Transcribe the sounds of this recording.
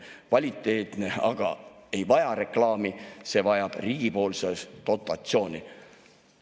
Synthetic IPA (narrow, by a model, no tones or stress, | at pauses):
kvɑlʲit̪ːˑe̞ːt̪ne̞ɑ̰ɡ̥ɑ̰e̞jvɑjɑɾe̞klɑːmise̞ːvɑjɑb̥riːɡ̥ipo̞ːlsesd̪̥o̞t̪ːˑɑt̪sio̞ːnʲi